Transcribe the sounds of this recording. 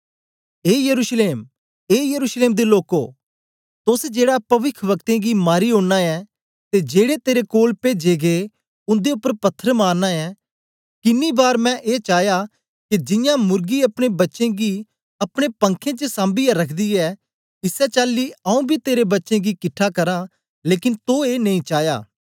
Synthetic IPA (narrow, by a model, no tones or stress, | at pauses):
eːjəɾuːʃleːm | eːjəɾuːʃleːmd̪eloːkoː | t̪ʊsd͡ʒeːɽapɐʋɪkʰʋəkt̪ẽɡimaːɾiɦõːɽnaɛː | t̪ed͡ʒeːɽet̪eːɾekoːlped͡ʒeːɡe | ʊ̃nd̪eʊpːəɾpɐt̪ʰːəɾmaːɾnaɛː | kɪnːibaːɾmɛ̃ʔeːt͡ʃaːja | kid͡ʒɪjãːmʊɾɡiɐpɽ̃ebɐtːʃẽɡi | ɐpɽ̃epə̃ŋkʰẽt͡ʃəsãːmbijaɾɐkʰd̪iːɛː | ɪsɛt͡ʃaːlːiːəũːbʱit̪eːɾebɐtːʃẽɡikɪʈʰːakɐɾãː | leːkɪnt̪oeːnɐ̃ĩt͡ʃaːja̰ː